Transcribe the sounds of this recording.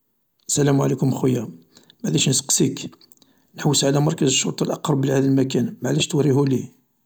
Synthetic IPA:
ʔəsːælæmʕalikʊmxʊjːæ | mæʕd̪æʃnəsə̥qsik | nħəwːəsʕalæmɑɾˤkæzəʃːʊɾt̪ˤɑlʔɑqɾˤɑbəlihæd̪əlmækænmaʕlæʃt̪wɾihuli

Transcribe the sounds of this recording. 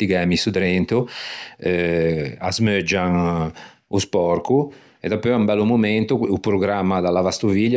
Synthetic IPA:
iɡɛmisud̪ɾɛnt̪uɛa̰zmød͡ʒan | uspɔɾku | ed̪ɔpːɔɛumbɛlːumument̪oupɾoɡɾamːad̪alavast̪uviʎː

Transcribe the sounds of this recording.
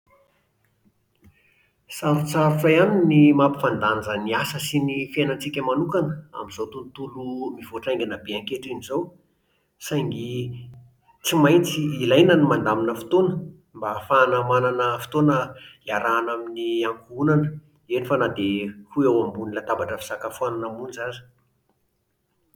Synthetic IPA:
saɾut͡saɾufajaninimapi̥fand̪and͡zəniasəsinifenət͡sikʲəmanukanəa̰mizot̪unt̪ulumivoʈ͡ʂajŋɡʲanabeaŋkeʈ͡ʂinizow | sajŋɡi | t͡simajnt͡siːlajnənimand̪aminəfi̥t̪onə | mbafanamananəfi̥t̪onəlaɾaːnaminiaŋkuunanə | enifanad̪ehuewambunilat̪abaʈ͡ʂəfi̥sakafuananamunzazə̥

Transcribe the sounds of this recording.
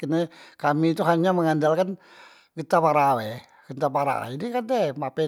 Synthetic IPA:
kənəkamit̪uɦaɲaməŋandalkan | ɡət̪apaɾawe | ɡ̥ənt̪apaɾa̰inikant̪emapɛ

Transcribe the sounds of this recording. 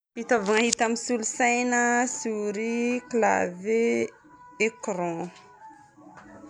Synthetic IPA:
hit̪avuŋaɦit̪amisulusajnəsuɾikla̰ve | ekɾɔ̃

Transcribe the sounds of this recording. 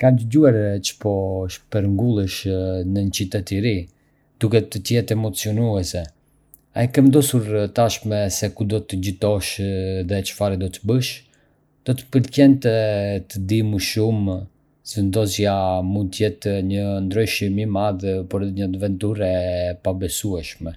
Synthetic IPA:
kand̪əɟuaɾt͡ʃə̥pɔʃpɛɾŋɡulˠəʃnəɲət͡ʃit̪ɛt̪iɾi | d̪̥ukɛt̪ət̪jɛt̪ɛmɔt͡siɔnuɛsɛ | a̰ikɛmnd̪ɔsuɾt̪aʃmɛsɛkud̪ɔt̪əd͡ʑət̪ɔʃðɛt͡ʃə̥faɾid̪ɔt̪əbəʃ | d̪̥ɔt̪ə̥pəɾcɛnt̪ɛt̪əd̪iməʃum | sɛnd̪ɔsjamund̪̚t̪jɛt̪ɲənd̪ɾɔjʃimimaðpɔɾɛiɲəat̪əvɛnt̪uɾɛpabɛsuɛʃmɛ

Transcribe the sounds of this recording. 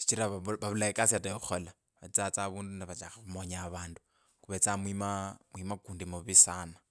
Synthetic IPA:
t͡ʃi̥t͡ʃiɾaββaβulaikasiatajoxola | βat͡sat͡saβuːndunaβat͡ʃa̰xaβumoɲaβaːndu | kuβet͡samwimamwimakuːndimuβisaːna

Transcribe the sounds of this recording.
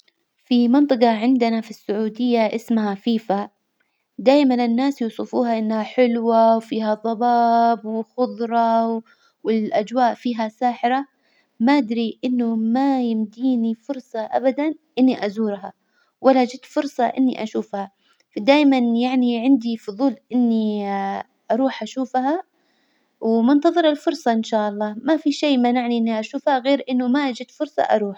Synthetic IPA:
fimɪnt̪ˤɨqɑʕɪnd̪ɪnafisːʊʕuːd̪ɪjːaʔɪsmɦafiːfa | d̪aːjmanɪnːaːsjuːsˤɨfuːɦaʔɪnːhaħɪlwawfiːhaðˤɑbɑːbwɪxʊðˤɾˤɑw | wɪlʔad͡ʒwaːʔfiːɦasaːħɪɾa | maʔɪd̪ɾiʔɪnːʊmajɪmd̪iːnifʊɾsˤɑʔa̰bad̪anʔɪnːiʔazuːɾɦa | walːaʔd͡ʒɪt̪fʊɾsˤɑʔɪ̰nːiʔaʃuːfha | fad̪aːjmanjaʕniʕɪnd̪ifʊðˤuːlʔɪnːi | ʔɑɾˤuːħʔaʃuːfɦa | wmʊnt̪ɑðˤɨɾɪlfʊɾˤsˤɑʔɪnʃaːʔɑlˤːɑːmafiʃeːmanaʕniʔɪnːiʔaʃuːfhaɣeːɾʔɪnːʊmaʔad͡ʒɪt̪fʊɾˤsˤɑ̰ʔɑ̰ɾˤuːħ

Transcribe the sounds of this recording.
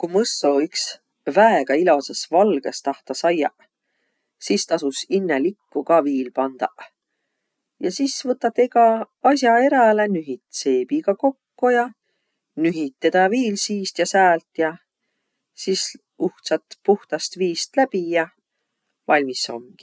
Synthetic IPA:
kumɤsːoyks | væeɡ̥ɑilo̞sesvɑlɡ̥est̪ɑht̪ɑsɑjːɑ̰ | sist̪ɑsusinːelikːukɑviːlpɑnd̪̥ɑʔ | jɑsisvɤt̪ːˑɑt̪ekɑ | ɑs̬ʲjɑe̞ɾɑlenyɦit̪se̞ːb̥iɡ̥ɑko̞kːujɑ | nyɦit̪ːed̪̥ɑviːlsiːst̪jɑsæːlt̪jɑ | sis | uht̪sɑt̪puht̪ɑst̪viːst̪læb̥ijɑ | vɑlʲmiso̞̰mɡ̥i̥

